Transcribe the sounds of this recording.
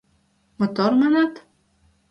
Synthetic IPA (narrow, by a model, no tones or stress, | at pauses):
mʊt̪ɔɾmanat̪